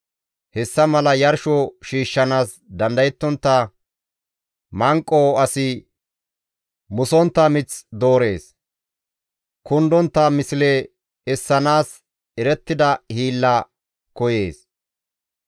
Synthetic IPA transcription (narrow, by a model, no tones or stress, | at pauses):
hɛsːɐmɐlɐjɐɾʃɔʃiːʃːɐnaːs | d̪ɐnd̪ɐjɛt̪ːɔnt̪ːɐ | mɐŋkʼːoːɐsɪ | mʊsɔnt̪ːɐmɪt͡sd̪o̞ːɾe̞ːs | kʊnd̪ɔnt̪ːɐmɪsɪle | ɛsːɐnaːs | ɛɾɛt̪ːɪd̪ɐhiːlːɐ | kɔje̞ːs